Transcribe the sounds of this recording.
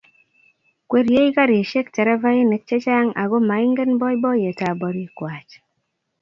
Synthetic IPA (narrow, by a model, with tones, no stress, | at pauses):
kwe˦ɾje˦i˦ka˦ɾe˨ʃe˦ktɛ˨ɾɛ˦va˦ji˦ne˨k̚t͡ʃe˦t͡ʃa˦ŋa̰˨ɡɔ˦ma˨ɪ˦ŋɡe˦nbɔ˦jbɔ˦je˨ta˨bɔ˨ɾi˦kwa˨t͡ʃ